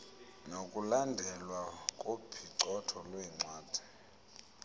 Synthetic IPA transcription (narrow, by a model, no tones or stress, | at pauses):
nokʼulandʱɛlwakʼopʰiǀɔtʰɔlwɛːŋ͡ǀaːd̥ʱɛ̥